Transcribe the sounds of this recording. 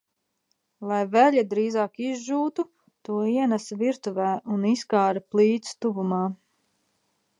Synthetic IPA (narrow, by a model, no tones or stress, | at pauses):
lˠajvæʎʲid̪ɾiːzaːkizʒuːt̪u | t̪uɔiɛnasviɾt̪uvɛːuniskaːɾaplˠiːt̪st̪uvumaː